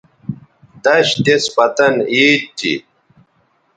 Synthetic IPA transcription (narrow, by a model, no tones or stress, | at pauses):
d̪ɐɕt̪espɐt̪ɐniːt̪t̪ːḭ